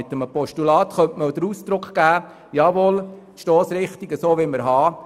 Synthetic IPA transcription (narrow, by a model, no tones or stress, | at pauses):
ɪt̪ːəməpɔʃtulɑːt̪χœmtməod̥̪əɾuːsd̪ɾʊkχɡ̥æː | jɑːʋoːl | ʃtɔːsɾɪχt̪iɡəsoːʋɪməɾɦɑː